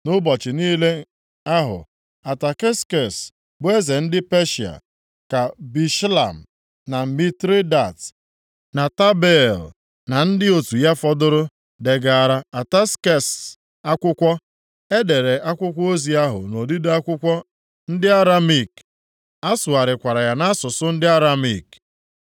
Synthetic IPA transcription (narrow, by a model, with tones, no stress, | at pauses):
nʊ˦bɔ˨t͡ʃɪ˨niː˦le˦ | a˦ɦʊ̰˨ | a˨ta˨ke˦ske˨s | bʊ˦e˦ze˨n̩˦dɪ˦pe˦ʃa̰˨ | ka˨bi˨ʃla̰˨m̩˨ | na˨mi˦tɾi˦da˨t | na˨ta˦be˦˨l | na˨n̩˦dɪ˦o˨tu˨ja˦fɔ˦dʊ˦ɾʊ˦ | de˨ɡa˨a˨ɾa˦a˨ta˦ske˦s | a˦kʷʊ˦kʷɔ˦ | e˦de˨ɾe˨ʔa˦kʷʊ˦kʷo˦zi˨a˦ɦʊ̰˨no˨di˦da˦kʷʊ˦kʷɔ˦ | n̩˦dɪ˦a˦ɾa˦mi˨k | a˦sʊ˨a˨ɾɪ˨kʷa˨ɾa˨ja˨na˦sʊ˨sʊ˦n̩˦dɪ˦a˦ɾa˦mḭ˨k